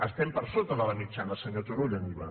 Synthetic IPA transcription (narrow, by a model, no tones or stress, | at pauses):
əst̪ɛmpəɾsot̪ənalənit͡ʃanəsəɲot̪uɾoʎəniβa